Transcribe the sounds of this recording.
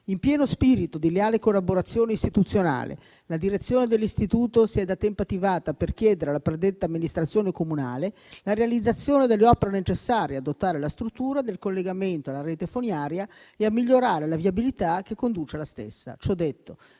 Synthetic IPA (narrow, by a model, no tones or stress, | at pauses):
impjɛːnospiːɾit̪od̪ileaːlekolːaboɾat̪sːjoːneist̪it̪ut̪sːjona̰ːlḛ | lad̪iɾet̪sːjoːned̪elːist̪it̪uːt̪osiɛd̪at̪ːɛmpat̪ːivaːt̪aperk̟jɛːd̪eɾealːapɾed̪et̪ːaːmːinist̪ɾat̪sːjoːnekomuna̰ːle | laɾealid̪zːat̪sːjoːned̪elːeɔːpeɾenet͡ʃesːaːɾjead̪ot̪ːaːɾelast̪ɾut̪ːuːɾad̪elkolːeɡament̪oalːaɾeːt̪efonjaːɾja | eamːiʎːoɾaːɾelavjabilit̪ak̟ːekːond̪uːt͡ʃealast̪ḛsːa̰t͡ʃɔd̪ːet̪ːo